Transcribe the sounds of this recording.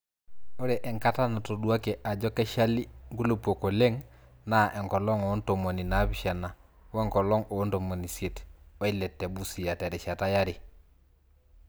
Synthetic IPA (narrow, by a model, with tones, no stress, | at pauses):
o˦ɾɛ˨ʔɛ˨ŋka˦ta˦na˨to˨ɗu˦a˦kɛ˨ʔa˨d͡ʒɔ˦kɛ˦ʃa˦li˦ŋɡu˦lo˨po˨ko˨le˦ŋ | na˦ʔɛ˨ŋkɔ˨lɔ˦ŋɔ˨˦nto˨mo˨ni˨na˨˦bi˨ʃa˨na˨ | wɛ˦ŋkɔ˨lɔ˦ŋo˨˦nto˨mo˨ni˨se˨twɔ˦i˦lɛ˨tːɛ˨bu˦si˨ja˨tɛ˨ɾɛ˨ʃa˨ta˦ja˦ɾi˨